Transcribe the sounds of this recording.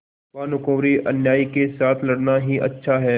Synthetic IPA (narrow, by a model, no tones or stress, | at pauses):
ʋaːnʊkõːɾiʔɐnjaːikesaːt̪ʰlɐɽnaɦiʔɐ̰tːʃʰaɦɛː